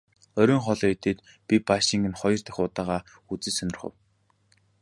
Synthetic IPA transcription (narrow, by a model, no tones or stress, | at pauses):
œɾʲɵːŋχɔɮɔːet̪eːt̪ | pʲipaʃiŋɡɘ̆nχɔjɞ̆r̥t̪æ̥xʊːt̪aːʁaː | ut͡sɘ̆ːsœnɪ̆rχə̰̆w